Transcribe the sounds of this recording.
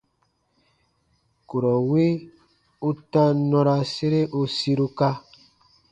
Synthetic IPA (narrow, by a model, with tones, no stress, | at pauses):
ku˨ɾɔ˨we˦ | u˦ta˦nɔ̃˧ɾa˧se˦ɾe˦ʔu˦si˦ɾu˦ka˦